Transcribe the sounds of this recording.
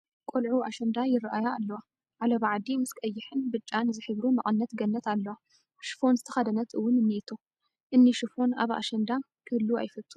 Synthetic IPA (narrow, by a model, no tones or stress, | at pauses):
kʼolʕuaʃɐnd̪ajɪraʔajaːlːɐwa | ʕalɐβʕad̪imɨskʼɐjːɪħɨnbɨt͡ʃʼːanzɨħɨβɾumɐʔʼɨnːɐt̪ɡɐnːɐt̪ʰalːɐwa | ʃɨ̥fo̞nzɨt̪ʰɐxɐd̪ɐnɐt̪ɨwːʊnɨnːiit̪ʰo | ʔɨnːiʃɨfo̞na̰βa̰ʃɐnd̪a | kʰɨhɨlːua̰jfɐt̪ʼːu̥